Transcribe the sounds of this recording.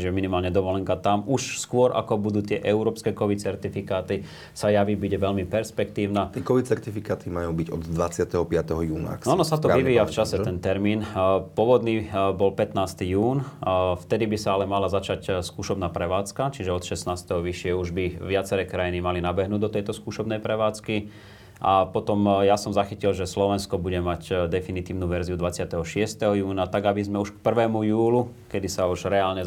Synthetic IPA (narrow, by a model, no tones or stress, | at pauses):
t͡ʃiʒɛminimaːlɲɛd̪ɔʋɔlɛŋkat̪amuʃskʊɔɾʔa̰kɔbud̪uːt̪ɪɛʔɛuɾɔːpskɛkɔʋit̪̚t͡sɛɾt̪ifikaːt̪i | sajaʋibuɟɛʋɛʎmipɛɾspɛkt̪iːʊnat̪ɛkɔʋit̪̚t͡sɛɾt̪ifikaːt̪imajuːbiɟɔd̪d̪ʋat͡sɪat̪ɛɦɔpɪat̪ɛɦɔjuːna̰anɔsat̪ɔʋiʋiːjaft͡ʃasɛɛnt̪ɛɾmiːnpɔʋɔd̪niːbɔlpɛt̪naːst̪ijuːnft̪ɛd̪ibisaalɛmalazat͡ʃacskuːʃɔbnaːpɾɛʋaːt͡skat͡ʃiʒɛɔt̪ʃɛsnaːst̪ɛɦɔʋiʃɪɛuʒbiʋɪat͡sɛɾɛkɾajinimalinabɛɦnuːd̪ɔt̪ɛjt̪ɔskuːʃɔbnɛjpɾɛʋaːt͡ski | ʔapɔt̪ɔmjasɔmzaxicilʒɛslɔʋɛnskɔbuɟɛmacd̪ɛfinit̪iːʊnuːʋɛɾziud̪ʋat͡sɪat̪ɛɦɔʃɪɛst̪ɛɦɔjuːnat̪aɡabizmɛuʃkpr̩ʋɛːmujuːlukɛd̪isauʒɾɛaːlɲɛ